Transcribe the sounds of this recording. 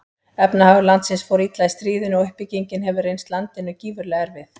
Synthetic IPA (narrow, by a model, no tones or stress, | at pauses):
ɛpnahavlant̪sɪnsfɔwɾit̪lajst̪ɾiːðʏnɔʏhpiciɲcɪnɦɛvʏrejnst̪lant̪ɪnːʏciːvʏɾlɛɣaɾvɪθ